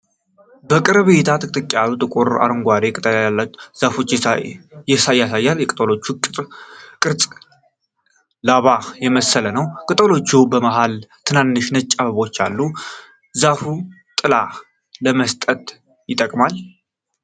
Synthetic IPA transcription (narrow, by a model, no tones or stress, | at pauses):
bəkʼɨɾβet̪ʰat̪ʰɨkʼt̪ʼɨkʼjaɾut̪ʼɨkʼuɾa̰ɾɨŋɡʷaɾekʼɨt̪ʼəlalːaz̥afo̞t͡ʃː | jɛsajasajːaljɛkʼt̪ʼəlot͡ʃːukʼɨt̪ʼkʼɨɾt͡sʼ | laβajɛməsːələnəwkʼɨt̪ʼəlo̞t͡ʃːubəmaɦalt̪ʰɨnanːɨʃnət͡ʃʼːaβəβo̞t͡ʃːalːu | zafu | t̪ʼɨla | ləməst̪ʼət̪ | jɪt̪ʼəkʼmal